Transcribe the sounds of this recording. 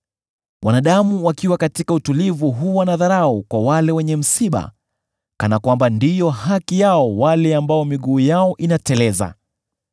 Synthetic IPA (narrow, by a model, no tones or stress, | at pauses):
wanaɗamuwakiwakatikautulivuɦuwanaðaɾaukwawalɛwɛɲɛm̩siɓa̰ | kanakwambandijɔhakijaɔwalɛambaɔmiɠuːjaɔʔinatɛlɛza̰